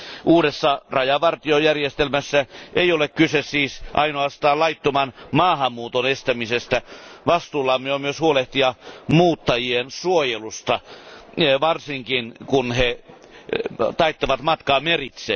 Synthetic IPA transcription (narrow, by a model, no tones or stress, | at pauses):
ʔuːdesːɑrɑjɑʋɑrt̪iojærjest̪elmæsːæʔeiolekkysessiːsʔɑinoɑst̪ɑːlɑit̪ːomɑnmɑːhɑmːuːt̪onest̪æmisest̪æʋɑst̪uːlːɑːmːeomyøshuoleht̪iɑmuːt̪ːɑjiensuojelust̪ɑ | ʋɑrsiŋkinkunhe | t̪ɑit̪ːoʋɑt̪mɑt̪kɑːmerit̪sḛː